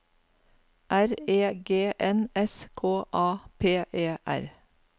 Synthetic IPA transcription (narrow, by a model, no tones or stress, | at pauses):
ʔæɾeːɡeːʔɛnɛskʰoːʔɑːpʰeːʔeːʔæ̰ɾ